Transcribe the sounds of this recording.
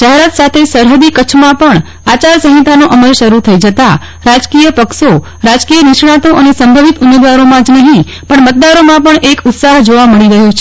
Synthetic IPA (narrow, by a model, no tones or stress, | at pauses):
ʃəɦɾət̪sat̪ʰesəɾɦəd̪ikət͡ʃʰmãpəɳ | at͡ʃaɾsəɦĩt̪anoʔəməlʃəɾut̪ʰəid͡ʒət̪a | ɾad͡ʒkijəpəkʃo | ɾad͡ʒkijənɪʃɳ̃ãt̪oʔənesəmbʱəʋit̪ʊmːed̪ʋaɾomãd͡ʒnəɦĩ | pəɳmət̪̚d̪aɾomãpəɳʔekʊt̪saɦd͡ʒoʋaməɭiɾəɦjot͡ʃʰe